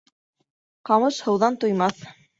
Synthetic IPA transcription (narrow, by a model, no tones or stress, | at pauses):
qɑmɤʃhɤ̆wðɑnt̪ŭjmɑθ